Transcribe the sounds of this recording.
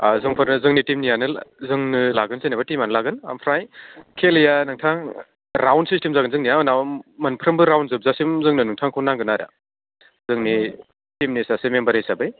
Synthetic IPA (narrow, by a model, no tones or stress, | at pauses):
zɯŋpʰɯɾɯzɯŋnitimnijanɯzɯŋnɯlaɡɯnzenabatimanɯlaɡɯna̰mpʰɾajkʰeljanɯŋtʰaŋ | ɾawnsistemzaɡɯnzɯŋnijanawmɐnpʰɾɯmbɯɾawnzɯp̚zasimzɯŋnɯnɯŋtʰaŋkʰɯwnaŋɡɯnaɾa̰ | zɯŋni | timnisasemembɐɾejsabɯj